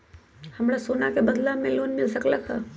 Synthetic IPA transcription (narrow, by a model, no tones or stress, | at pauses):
hɐmɾasoːnakebɐd̪lamẽloːnmɪlsəklɐka̰